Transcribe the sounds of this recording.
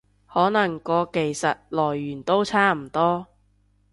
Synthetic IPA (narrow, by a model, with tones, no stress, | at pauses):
hɔː˨˥nɐ˨˩ŋkɔː˨˧ke˨˩jsɐ˨t̚lɔː˨˩jːyː˨˩nt̪o˥wt͡sʰaː˥m̩˨˩t̪ɔː˥